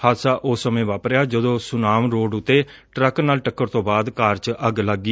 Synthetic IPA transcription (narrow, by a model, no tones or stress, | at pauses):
haːsaːʔʊːsːəmẽːʋaːpɾeːaːd͡ʒəd̪õːsʊnaːmɾoːɖʊt̪ːeːʈɾəknaːlʈəkːəɾt̪õːbaːd̪kaːɾt͡ʃəɡləɡːiː